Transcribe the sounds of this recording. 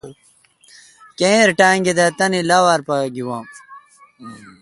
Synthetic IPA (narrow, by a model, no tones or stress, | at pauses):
kẽːɾʈaːŋɡid̪at̪ɐnilaːwaːɾpaɡiwãːm